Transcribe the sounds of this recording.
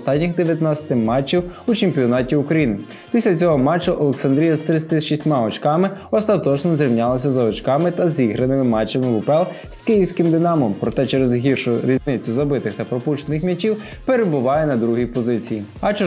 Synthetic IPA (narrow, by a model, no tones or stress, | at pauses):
st̪ɑtʲnʲixd̪eʋʲjɐt̪nat͡sʲɐ̥t̪ɪmɑt͡ʃːiwut͡ʃemʲpʲiɔnɑtʲiʊkɾɐjinɪ | pʲisʲlʲɐt͡sʲɔɦɔmɑt͡ʃːɐʔɔlˠeksɐnd̪ɾʲijɐzt̪ɾɪsʲɐt̪ɪsʃisʲtʲmɑɔt͡ʃkɑmɪɔst̪ɐt̪ɔt͡ʃnɔzʲɾʲiwnʲalˠɐs̬ʲɐzɐɔt͡ʃkɑmɪt̪ɐzʲiɦɾɐnɪmɪmɑt͡ʃːɐmɪʋʊpɛlˠ | z̥kɪjiwsʲkɪmd̪ɪnɑmɔmpɾɔt̪ɛt͡ʃɛɾezɦʲirʃʊɾʲiznɪt͡sʲːʊzɐbɪt̪ɪxt̪ɐpɾɔpuʃt͡ʃenɪxmʲɐt͡ʃiw | peɾebʊʋɑjɛnɐd̪ɾuɦipɔzɪt͡sʲijiɐt͡ʃ